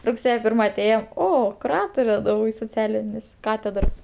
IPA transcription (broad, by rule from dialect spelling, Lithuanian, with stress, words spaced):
rʊkˈsʲeːjɛ ˈpʲɪrmɐ ɐˈtʲeːjoːm ˈoː kʊˈrɑːtoːrʲɛ soːˈt͡sʲæːlʲɪnʲɪs ˈkɑːtʲɛdroːs